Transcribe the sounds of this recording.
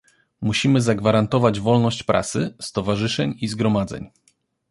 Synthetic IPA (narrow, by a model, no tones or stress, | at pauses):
muɕimɘzaɡvaɾant̪ɔvad͡ʑvɔlnɔɕt͡ɕpɾʔa̰t̪sɘst̪ɔvaʐɘʂɛɲizɡɾɔmad̪zɛ̰ɲ